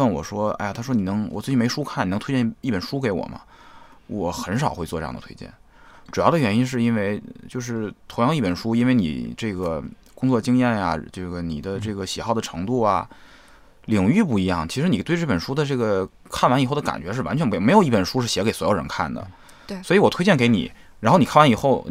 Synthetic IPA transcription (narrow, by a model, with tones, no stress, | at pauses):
ə˥˩nwɔ̰˨˩ʂwɔ˥a̰˥˩a˨t̪ʰa˥ʂwɔ˥ni˨˩nɤ˧˥ŋwɔ˨˩t͡sɹ̩˥˩t͡ɕi˥me˧˥ɪʂu˥kʰa˥˩n˨˩n˧˥t̪ʰt͡ɕji˥˩pə˨˩nʂu˥ke˧˥ɪwɔ̰˨˩mʔɐ̰˦ | wɔ˨˩xə˧˥nʂ̬ɑ˨˩ʊxe˥˧ɪt͡swɔ˥˧ʈ͡ʂj̰ɑ̰˥˩d̪ət̪ʰwḛ˥t͡ɕjɛ̰˥˩n | ʈ͡ʂu˨˩jɑ˥˩ʊə˩ɥɛ˧˥ni˥nʂ̬ɻ̩˥˩˧i˥nwe˥˧˩ɪt͡ɕjo˥˧ʊʂ̬ɻ̩˥˩t̪ʰo˧˥ŋjɑ˥˧ŋ˧i˥˩pə˨˩nʂu˥i˥nwe˥˩ɪnḭ˨˩ʈ͡ʂɤ˥˩ɡə˩ | kʊ˥ŋt͡swɔ˥˧˩t͡ɕi˥ŋjɛ˥˩nja̰˩ʈ͡ʂɤ˥˩ɡə˩ni˨˩d̪ə˦ʈ͡ʂɤ˥˩ɡə˩ɕi˨˩xɑ˥˩ʊd̪ə˩ʈ͡ʂʰɤ̰˧˥ŋt̪u˥˩ɐ̰˩ | li˨˩ŋy˥˧p̬u˥˩i˧˥jɑ˥˩ŋt͡ɕʰʂɻ̩˧˥ni˨˩t̪wɪʈ͡ʂɤ˥˩pə˨˩nʂu˥d̪ə˨ʈ͡ʂɤ˥˩ɡə˩ | kʰa˥˩nwa˧˥ni˨˩xo˥˩ʊd̪ə˧ka̰˨˩nt͡ɕɥɛ˧˥ʂɻ̩˥˩wa̰˧˥t͡ɕʰɛ˧˥n˧˥m˧˥o˨˩ʊi˥˩pə˨˩nʂu˥ʂɻ̩˥˩ɕjɛ˧˥ke˧˥ɪswɔ˧˥o̰˨˩ɻə̰˧˥nkʰa˥˩nd̪ə̰˩ | swɔ˧˥i˧˥wɔ˨˩t̪ʰwe˥ɪt͡ɕjɛ˥˩nke˧˥ɪnḭ˨˩˦ | ɻa˧˥nxni˨˩˥nwa˧˥ni˨˩xo˥˩ʊ